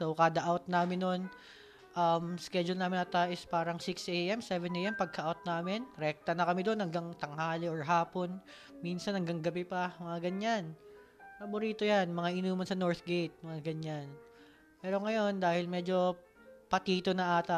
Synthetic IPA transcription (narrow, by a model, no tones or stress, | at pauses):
sowkaːd̪ɐʔawt̪naːmɪnːon | ʔɐmskɛd͡ʒʊlnaːmɪnɐt̪aʔɪspaːɾɐŋsɪksʔeʔɛmsɛvɛnʔeʔɛmpɐɡ̚kɐʔawt̪̚naːmɪnɾɛk̚t̪ɐnɐkɐmɛd̪o̞nhɐŋɡɐŋt̪ɐŋhaːlɪʔoɹɦaːpo̞n | minsɐnɐŋɡɐŋɡɐbɛpɐmɐŋaɡɐɲːan | pɐbʊɾiːt̪ojanmɐŋaʔɪnuːmɐnsɐno̞ɹt̪ɡejt̪̚mɐŋaɡɐɲan | pɛːɾoŋɐjo̞nd̪aːhɪlmɛːd͡ʒo̞ | pɐt̪iːt̪onɐʔaːt̪ɐ